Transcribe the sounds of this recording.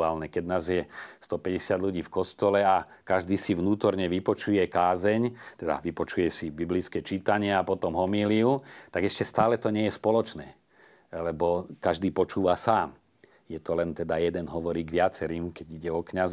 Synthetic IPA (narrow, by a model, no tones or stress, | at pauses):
aːlnɛkɛɟnaːzjɛst̪ɔpɛɟɛsɪad̪luɟiːfkɔst̪ɔlɛa | kaʒd̪iːsiʋnuːt̪ɔɾɲɛʋipɔt͡ʃujɛkaːzɛɲt̪ɛd̪a̰ʋipɔt͡ʃujɛsibiblit͡skɛːt͡ʃit̪aɲɪɛapɔt̪ɔmɦɔmiːliut̪aɡɛʃcɛst̪aːlɛt̪ɔɲɪɛjɛspɔlɔt͡ʃnɛː | lɛbɔkaʒd̪iːpɔt͡ʃuːʋasaːm | jɛt̪ɔlɛnt̪ɛd̪ajɛd̪ɛnɦɔʋɔɾiːɡʋɪat͡sɛɾiːmkɛɟiɟɛɔkɲaz